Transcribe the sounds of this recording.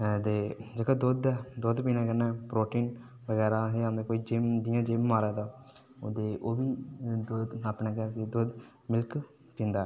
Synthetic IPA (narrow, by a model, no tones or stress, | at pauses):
d̪eːd͡ʒeːkaːd̪oːd̪ɛːd̪oːd̪piːnãːkənːɛːpɾoːʈiːn | bəɡɛːɾaːɦeːamd̪ekoːiːd͡ʒɪmd̪ɪjãːd͡ʒɪmːaːɾɛːd̪aː | o̰ːd̪eːʔoːbiːd̪oːd̪aːpneːɡɛːɾsid̪oːd̪ | mɪlk | pĩːnd̪aːɛ